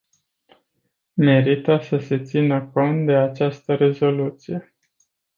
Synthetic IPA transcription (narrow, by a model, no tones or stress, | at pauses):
me̞ɾit̪əsəse̞t̪sinəko̞nt̪̚d̪e̞at͡ʃast̪əɾe̞zo̞lut̪sije̞